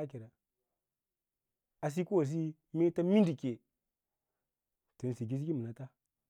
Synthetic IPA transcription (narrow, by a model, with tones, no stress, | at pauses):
a˦ki˨ɾa˨ | a˨s̬i˦ku˦wa˨s̬i˦ | me˦ta˦mi˦n˦di˨ke˨ | to˨n˨si˨ɡi˦s̬i˦ki˦mə˨na˨˦ta˦